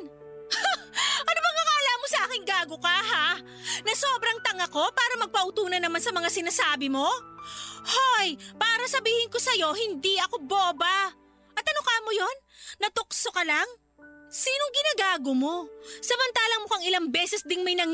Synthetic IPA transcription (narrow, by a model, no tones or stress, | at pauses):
ʔɐnobɐŋɐŋɐɐlaːmosɐʔaːkɪŋɡaːɡokaɦa | nɐso̞ːbɾɐŋt̪ɐŋɐko̞paːɾɐmɐɡ̚pɐʔut̪uːnɐnːɐmansɐmɐŋasɪnasaːbɪmo̞ | hojpaːɾɐsɐbiːhɪŋko̞sɐjo̞hɪnd̪iʔɐko̞bobɐ | ʔɐt̪ʔɐnokaːmojo̞n | nɐt̪oksokɐlaŋ | siːnoŋɡɪnaːɡaːɡomo̞sɐmɐnt̪aːlɐmokɐŋɪlaŋbɛːsɛsd̪ɪŋmɐjnɐŋ